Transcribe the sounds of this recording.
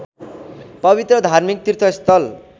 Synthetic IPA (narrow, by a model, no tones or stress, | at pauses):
pʌbit̪rʌd̪ʱarmik̚t̪it̪ʰwʌst̪ʌl